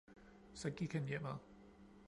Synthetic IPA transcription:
sɒ̽ɡ̥iɡ̥hænjem̰ɑ

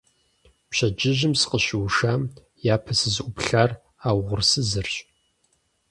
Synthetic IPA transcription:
pɕɐd͡ʒɪʑɪmsɨ̥qəɕɪwʃaːm | jaːpʰɐsɨzʔʷʊpɬaːr | aːwʁʷʊrsɨzɨrɕʼ

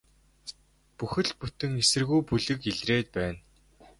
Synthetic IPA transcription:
puxɘ̆ɮput̪ɘ̆ŋesɘ̆rɣujpuɮɘ̆kiɮreːt̪̚pæːn

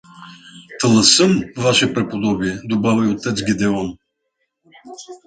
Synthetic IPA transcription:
t̪ʰəlˠəsəmvaʃɛpɾɛpod̪ɔbiɛd̪obavəjot̪ːɛt̪zɡʲid̪ɛvəm

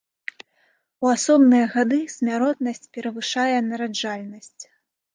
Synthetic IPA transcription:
uasɔbnɨjɐɣad̪ɨsʲmʲaɾɔt̪nɐsʲt͡sʲpʲɛɾɐvɨʂajɛnɐɾad͡ʐalʲnɐsʲt͡sʲ

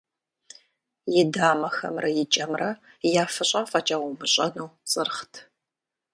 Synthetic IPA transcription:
jɪdaːmɐxɐ̰mrɐjɪt͡ʃʼɐmrɐ | jaːfɨɕʼɐfʼɐt͡ʃʼaʁʊmɨɕʼɐnɐwt͡sʼɨrχtʰ

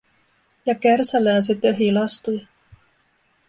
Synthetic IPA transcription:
jɑkærsælæːs̬it̪ːeɦilɑst̪ujɑ

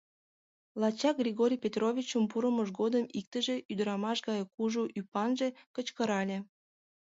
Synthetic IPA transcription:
lɑt͡ɕɑk̚ɡrʲiɣoɾʲijpʲet̪rovʲit͡ɕəmp̬uɾəməʒɡod̪əmik̚t̪əʒeʔyd̪əɾɑmɑʃɣɑjkuʒuʔypɑnʒe̽kət͡ɕkəɾɑlʲe

